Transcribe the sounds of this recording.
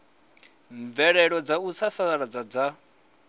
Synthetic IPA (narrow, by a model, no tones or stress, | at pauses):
ɱvɛɺɛɺɔd͡zaut͡sʰasaaɺad͡zad͡za